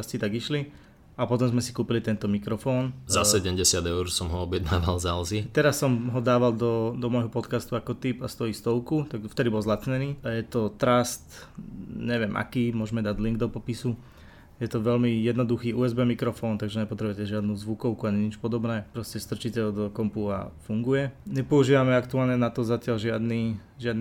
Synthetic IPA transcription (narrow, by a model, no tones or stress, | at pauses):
ascit̪aɡiʃli | apɔt̪ɔmzmɛsi̥kuːpilit̪ɛnt̪ɔmikɾɔfɔːnzaɛɟɛmɟɛsɪad̪ɛʊɾsɔmɦɔɔbɪjɛd̪naːʋalzalziɛt̪ɛɾasːɔmɦɔd̪aːʋald̪ɔd̪ɔmɔjɦɔpɔt̪kast̪uakɔt̪ipast̪ɔiːst̪ɔʊkut̪aɡft̪ɛd̪ibɔlzlatt͡sɲɛniːajɛt̪ɔt̪ɾast̪ | ɲɛʋɪɛmʔa̰kiːmʊɔʒmɛd̪aɟliŋɡd̪ɔpɔpisu | jɛt̪ɔʋɛʎmijɛd̪nɔd̪uxiːuːɛzbɛːmikɾɔfɔːnt̪aɡʒɛɲɛpɔt̪ɾɛbʊjɛcɛʒɪad̪nuːzʋukɔʊkuaɲiɲit͡ʃpɔd̪ɔbnɛːpɾɔscɛst̪r̩t͡ʃicɛd̪ɔkɔmpua̰fuŋɡujɛɲɛpɔuʒiːʋamɛakt̪uaːlɲɛnat̪ɔzacɪalʒɪad̪niː | ʒɪad̪n